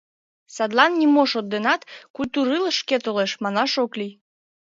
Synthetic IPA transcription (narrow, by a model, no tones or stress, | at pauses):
sɑd̪lɑnːʲimoʃod̪ːenɑt̪kujt̪uɾɨləʃket̪oleʃmɑnɑʃokli